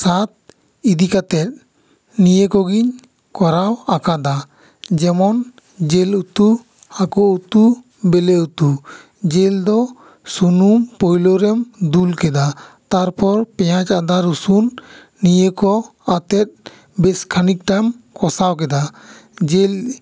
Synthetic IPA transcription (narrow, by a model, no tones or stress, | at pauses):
sat̪̚ | id̪ikat̪ɛt̪̚ | nijəkɔɡiɲ | kɔɾawakad̪a | d͡ʒɛmɔn | d͡ʒɛlut̪u | akɔut̪u | bɛleut̪u | d͡ʒɛld̪ɔ | sunumpɔjlɔɾɛmd̪ulkɛd̪at̪aɾpɔɾpɛjat͡ʃad̪aɾusunː | ijekɔ | at̪ɛt̪̚ | bɛskʰanik̚ʈamkɔsawkɛd̪ad͡ʒɛl